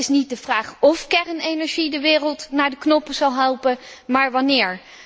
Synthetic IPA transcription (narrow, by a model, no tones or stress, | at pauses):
ɪsnit̚dəv̥raːχɔfkɛrənejnɛɹʒidəʋɪːrəlˠtnaːɹdəknɔpəzɑlˠɦɛlˠpəmaːɹʋɑnɪːɹ